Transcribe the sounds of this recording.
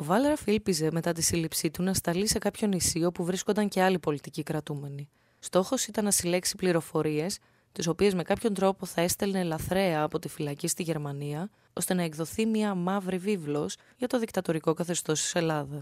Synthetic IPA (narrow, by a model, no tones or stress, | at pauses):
t̪o̞vɐle̞ɾɐfilpize̞me̞t̪ɐt̪isilipsit̪unɐst̪ɐlise̞kɐpço̞nisio̞puvɾiskond̪ɐɲce̞ɐlipo̞lit̪icikɾɐt̪ume̞ni | st̪o̞xo̞sit̪ɐnːɐsile̞ksi̥pliɾo̞fo̞ɾie̞s | t̪iso̞pie̞zme̞kɐpço̞nt̪ɾo̞po̞θɐe̞st̪elne̞lɐθɾe̞ɐːpo̞t̪ifilɐcist̪iʝe̞ɾmɐniɐ | o̞st̪e̞nɐekðo̞θimiɐmɐvɾivivlo̞s | ʝɐt̪o̞ðikt̪ɐt̪o̞ɾiko̞kɐθe̞st̪o̞st̪i̥se̞lɐðɐs